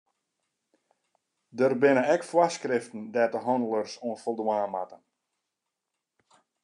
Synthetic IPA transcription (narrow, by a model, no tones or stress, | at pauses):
dərbɪnəɛkfwaskrɪftən̩dɛtəɦɔndəlˠərsoənfolˠdwaːma̰tən